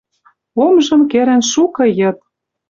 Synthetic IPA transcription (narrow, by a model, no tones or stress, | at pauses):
omʒɤ̆mkeɾɘ̆nʃukɤ̆jɤ̆t̪̚